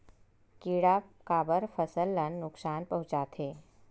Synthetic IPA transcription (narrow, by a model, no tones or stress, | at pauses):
kiɽakaːbəɾfʰəsəlːənːʊksaːnpəɦʊ̃t͡ʃaːt̪ʰeː